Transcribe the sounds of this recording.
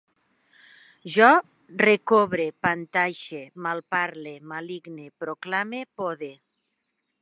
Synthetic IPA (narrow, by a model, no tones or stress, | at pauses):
ʒɔ | rekoβɾepant̪ajʃemalpaɾlemaliɡnepɾoklamepoðe